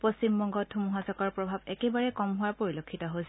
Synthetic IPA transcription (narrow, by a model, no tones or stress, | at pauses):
posimːɔŋɡɔtʰːumuɦazɔkɔɹpɹɔbʱabɛkɛbaɹɛkɔmɦʊwapoɹilokʰːitɔɦojs